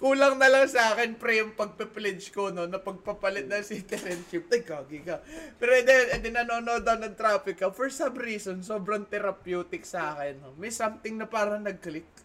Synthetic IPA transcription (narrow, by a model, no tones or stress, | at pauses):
kuːlɐŋnɐlɐŋsɐʔaːkɛnpɾɛjmpɐɡ̚pɛplɛd͡ʒkono̞nɐpɐɡ̚pɐpɐlɪt̪̚nɐŋsik̪ɪɾɛnʃɪp̪̚ɐjkaːɡɪkɐpɛːɾoɛd̪ɛɛd̪ɪnɐnoːnod̪ɐwnɐŋt̪ɾaːpɪkɐfɔɹsɐmɾiːsonso̞ːbɾɐŋt̪ɛɾɐpjuːt̪ɪksaːkɛnːomɛjsɐmt̪ɪŋnɐpaːɾɐnɐɡ̚klɪk̚